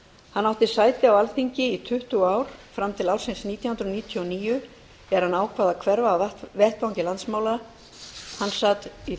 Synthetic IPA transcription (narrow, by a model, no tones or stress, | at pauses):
hanːawht̪ɪsaːjt̪ɪawalθiɲcɪit̪ʰʏht̪ʏaːwɾ̥fɾamt̪ʰɪlaːwsɪnsniːt̪jahʏnɾʏniːt̪ʰjɔɔniːjʏ | ɛɾhanaːwkʰvaːðakʰvɛɾvaːvɛht̪vawŋcɪlant̪smaːwla | hanːsat̪i